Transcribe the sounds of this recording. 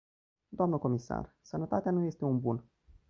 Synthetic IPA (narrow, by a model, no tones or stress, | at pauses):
d̪oamnəko̞misa̰r | sənət̪at̪eanuje̞st̪e̞unbun